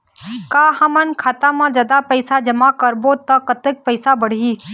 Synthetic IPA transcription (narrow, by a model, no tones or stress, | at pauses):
kaːɦɐmənkʰaːt̪amãːd͡ʒɐd̪apəɪsad͡ʒɐmakɐɾbot̪ɐkɐt̪ɪk̚pəɪsabəɽ̤iː